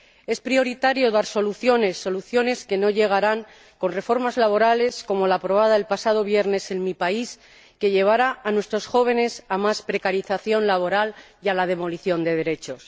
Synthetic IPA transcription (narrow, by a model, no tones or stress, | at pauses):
e̞spɾio̞ɾit̪aɾjo̞ðaɾso̞luθjo̞ne̞sːo̞luθjo̞ne̞ske̞no̞ʝe̞ɣ̞aɾaŋ | ko̞nre̞fo̞ɾmazlaβ̞o̞ɾale̞sko̞mo̞laːpɾo̞β̞aðaelpasaðo̞β̞je̞ɾne̞se̞nmipais | ke̞ʎe̞β̞aɾaːnwe̞st̪ɾo̞sxo̞β̞e̞ne̞samaspɾe̞kaɾiθaθjo̞nlaβ̞o̞ɾaljalað̞e̞mo̞liθjo̞nd̪e̞ð̞e̞ɾe̞t͡ʃo̞s